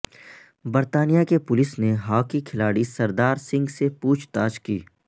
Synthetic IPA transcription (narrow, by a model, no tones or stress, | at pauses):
bɐɾt̪aːnijakepʊlɪsneɦaːkikʰɪlaːɽisɐɾd̪aːɾsɪ̃ŋɡsepuːt͡ʃʰt̪aːd͡ʒkḭː